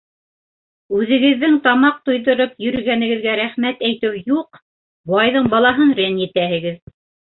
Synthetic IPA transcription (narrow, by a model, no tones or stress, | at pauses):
ʉðɘ̆ɡɘ̆ðːɘŋt̪ɑmɑq̚t̪ŏjðŏɾɤpjɵ̆ɾɘ̆ɡænɘ̆ɡɘ̆ðɡæɾæχmæt̪æjt̪ɘwjuq | b̪ˠɑjðɤɴbɑlˠɑɦɤnrʲenjɘ̆t̪æhɘ̆ɡɘð